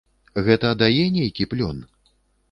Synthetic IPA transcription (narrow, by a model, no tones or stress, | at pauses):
ɣɛt̪ɐd̪ajɛnʲejkʲiplʲɔn